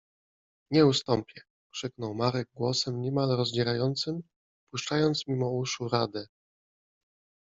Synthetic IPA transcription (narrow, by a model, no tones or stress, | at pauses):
ɲɛust̪ɔmpʲjɛ | kʂɘknɔwmaɾɛɡ̚ɡwɔsɛmɲɛmalɾɔzd͡ʑɛɾajɔnt̪sɘm | puʂt͡ʂajɔnt̪smʲimɔuʂuɾad̪ɛ